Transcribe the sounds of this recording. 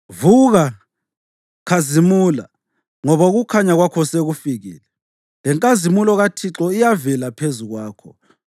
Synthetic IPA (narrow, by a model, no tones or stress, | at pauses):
vuɣa | kʰazimula̰ | ŋɔβaɣukʰaɲaɣwakʰɔseɣufiɣḭːlɛ | lɛŋkʼazimulɔɣatʰiǁɔijavɛlapʰezuɣwaːkʰɔ